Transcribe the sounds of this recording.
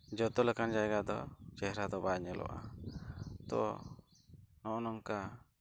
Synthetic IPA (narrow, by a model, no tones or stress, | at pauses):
d͡ʒɔt̪ɔlɛkand͡ʒajɡad̪ɔ̰t͡ʃɛɦɾad̪ɔbaɲɛlʔɔ̰ʔa̰ | t̪ɔ̰ | nɔʔnɔŋka